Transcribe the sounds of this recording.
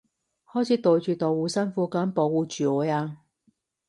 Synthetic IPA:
hɔː˥jt͡sʰiː˨˥t̪o˨˧wt͡ʃyː˨˧t̪o˨wuː˨˧sɐ˥nfuː˧kaː˨˥npo˨˥wuː˨˧t͡ʃyː˨ɔː˨˥jaː˧

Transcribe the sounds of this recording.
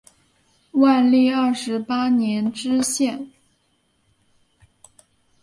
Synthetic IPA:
wa˥˧nli˥˧ɐ˞˥˩ʂɻ̩˧˥pa˥njɛ˧˥nʈ͡ʂɻ̩˥ɕjɛ˥˩n

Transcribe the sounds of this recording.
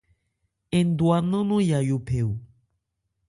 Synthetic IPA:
ẽ˨n˨d̪wa˨nə̃˦nõ˦ja˨jo˨pʰe˨w

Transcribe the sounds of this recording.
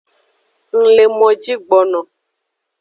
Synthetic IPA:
ŋ̩˨le˨mɔ̃˨d͡ʒi˦ɡ͡bɔ˨nɔ̃˨

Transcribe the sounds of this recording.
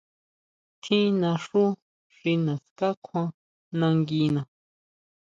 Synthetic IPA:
t̪ʰĩ˦nã˧ʂu˦ | ʂi˧nã˨ska˦kʰã˧ | nã˧ŋɡi˧nã˨

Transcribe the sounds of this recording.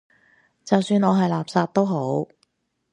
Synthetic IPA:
t͡sɐ˨wsyː˧nɔː˨˧ɦɐ˨jlaː˨p̚saː˧t̚t̪o˥wɦo˨˥w

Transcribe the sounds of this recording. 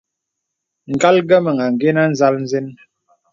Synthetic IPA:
ŋ̩˨ɡa˦lɡə˦mə˨ŋa˨ŋ˨ɡe˦na˦n̩˦za˦ln̩˦ze˦n

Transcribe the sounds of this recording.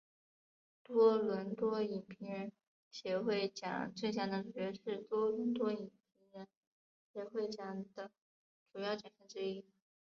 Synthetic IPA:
t̪wɔ˥lwə˧˥nt̪wɔ˥i˨˩npʰi˧˥ɻə˧˥n | ɕjɛ˧˥xwe˥˩ɪt͡ɕjɑ̰˨˩ŋt͡swe˥˩ɪɕ̬jɑ˥˩ŋd̪ə˧˩ʈ͡ʂu˨˩ɛ˧˥ʂɻ̩˥˩t̪wɔ˥lə˧˥nt̪wɔ˥i˨˩npʰi˧˥ŋɻə˧˥n | ɕjɛ˨˥xwe˥˩ɪt͡ɕjɑ˨˩ŋd̪ə˦ | ʈ͡ʂu˨˩jɑ˥˩ʊt͡ɕjɑ˨˩nɕə˥ŋʈ͡ʂɻ̩˥i˥

